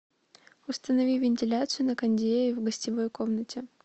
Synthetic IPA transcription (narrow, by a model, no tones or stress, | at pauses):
ʊst̪ənɐvʲivʲɪnʲtʲɪlʲat̪sɨjʊnəkɐnʲdʲeɪvɡəsʲtʲɪvo̞jko̞mnətʲɪ